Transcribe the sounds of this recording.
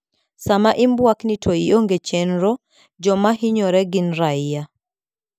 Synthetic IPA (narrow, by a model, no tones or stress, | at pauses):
samaʔimbwaknitʰoioŋɡet͡ʃenɾɔ | d͡ʒɔmaɦiɲɔɾɛɡinɾaija